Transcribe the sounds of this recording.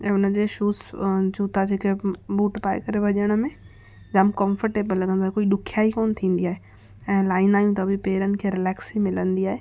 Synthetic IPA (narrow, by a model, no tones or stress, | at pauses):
ɛ̃ːʊnəd͡ʑeːʃuːsd͡ʑuːt̪ad͡ʑeːkebuːʈpaːḛkɐɾeʋɐʄəɽ̃əmẽ | d͡ʑamkɐ̃mfəɾʈeːbəlɐɡʱə̃nd̪oaɦekoːiɗʊkʰjaːikoːnt̪ʰĩːn̆d̪iaːɦe | ɛ̃ːlaːɪnaːijũt̪ɐbʱipeːɾənɪ̆kʰeːɾɪlɛːksimɪlə̃nd̪iaːɦeː